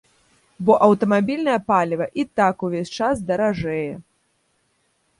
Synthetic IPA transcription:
bɔʔɐwt̪ɐmabʲilʲnɐjɐpalʲivɐʔit̪akuvʲesʲt͡ʂazd̪ɐɾaʐɛjɛ

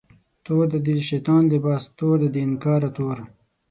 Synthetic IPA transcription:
t̪oːd̪əd̪ilʃet̪ɑːnlibɑːst̪oːd̪əd̪inkɑːɾat̪oːɾ

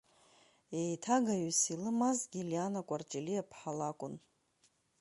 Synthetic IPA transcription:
ejtʰaɡaɥusilɨmazɡʲiljanakʷʼart͡ʃʼiliapʰħalakʷʼʊn

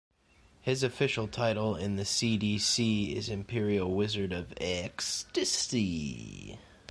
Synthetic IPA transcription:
hɪzɨfɪʃl̩ˠtʰaɪɾl̩ˠɪ̃nðɨsidisiɪzɨ̃mpʰɪɹil̩ˠwɪzə˞ɾʌvɛkstɨsi

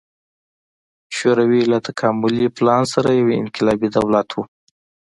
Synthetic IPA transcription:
ʃoɾawilat̪akʰamʊliplɑnsaɾajaweɪ̰nkɪlɑbid̪awlat̪ʰwu

